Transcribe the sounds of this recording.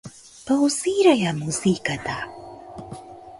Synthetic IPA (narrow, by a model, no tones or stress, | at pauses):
pawsiɾajamusiːkat̪a